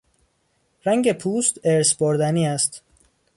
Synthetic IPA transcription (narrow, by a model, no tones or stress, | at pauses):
ɾæŋɡepʰuːst̪eɾsboɾd̪æniːæst̪